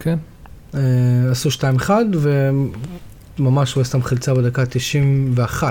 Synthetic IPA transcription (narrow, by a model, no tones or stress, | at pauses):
kʰen | easuʃtaimeχadve | mamaʃujast̪amχilt͡sabedakat̪iʃimveaχa